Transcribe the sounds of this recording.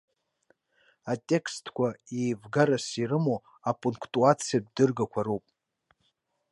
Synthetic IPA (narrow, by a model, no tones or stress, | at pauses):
atʼe̞kʰstʰʼkʷʰaejvɡaɾasirɨmo | apʼuŋkʰtʼuat͡sʰijab̚dɨrɡakʷʰaɾopʼ